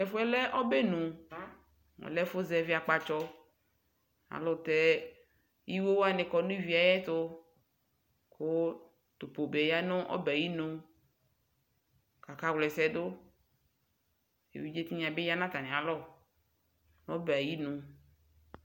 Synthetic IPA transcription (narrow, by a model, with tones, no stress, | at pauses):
ɛ˨fo˦ɛ˦lɛ˦ʔɔ˦be˦nũ˨ | ŋɔ̰˨lɛ˦fo˦zɛ˨vi˦a˨k͡pa˨t͡ʃɔ˦ | a̰˨lɔ˦˨t̪ɛ˦ | ji˦wo˦wo˦a˨nɪ̃˨kɔ˨nũ˦vi˨a˨jɛ˦t̪o˦ | ko˦ | t̪o˨po˨be˨ja˦nõ˦ʔɔ̰˦bɛ˨ji˦nũ˨ | ka˨ka˦wlɛ˨sɛ˨do˦ | ḛ˨vi˦d͡ʒe˦t̪i˦ɲ˨ã˨be˦ja˦nã˦t̪a˨nẽ˨a˨lɔ˦ | no˦ba˨ji˦nũ˨